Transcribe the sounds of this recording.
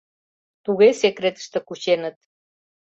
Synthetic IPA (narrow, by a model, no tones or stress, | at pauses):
t̪uɣesekɾet̪ə̥ʃt̪ə̆kut͡ɕenət̪